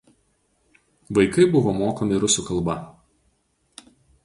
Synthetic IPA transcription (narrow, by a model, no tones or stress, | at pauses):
ʋɐɪkɐɪbʊʋomoːkomʲɪɾʊsʲuˑkɐlˠbɐ